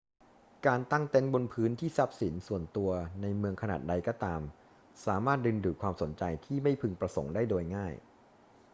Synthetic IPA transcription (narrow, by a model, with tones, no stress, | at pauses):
kaː˧nt̪a˥˩ŋt̪e˦˥˩nbo˧npʰɯː˦˥nt̪ʰiː˥˩sa˦˥p̚si˩˦nsu˨˩ənt̪u˧ɐna˧jmɯ˧əŋkʰa˧naː˨˩t̪̚da˧jkɔː˥˩t̪aː˧m | saː˩˦maː˥˩t̪̚dɯ˧nduː˨˩t̚kʰwaː˧mso˩˦nt͡ɕa˧jt̪ʰiː˥˩ma˥˩jpʰɯ˧ŋpɾa˧so̰˩˦ŋdaː˥˩jdoː˧jŋaː˥˩j